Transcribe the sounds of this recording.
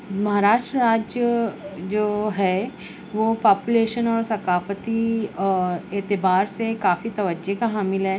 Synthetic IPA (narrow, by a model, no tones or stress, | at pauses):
mɐɦaːɾaːʃʈɾəɾaːd͡ʒjəd͡ʒoːɦɛ | ʋoːpaːpuleːʃənɔːɾsɐkaːfət̪i | eːt̪ɪbaːɾsekaːfit̪ɐʋəd͡ʒekaɦaːmɪlɦɛː